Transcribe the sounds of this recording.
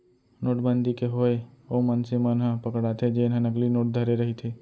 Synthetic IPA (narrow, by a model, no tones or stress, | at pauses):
noːʈbənd̪ikeɦoːeomənsemənɦə̃pəkɽat̪ʰed͡ʒeːnɦə̃nɐɡlinoːʈ̚d̪ʱəɾeɾɐɦit̪ʰi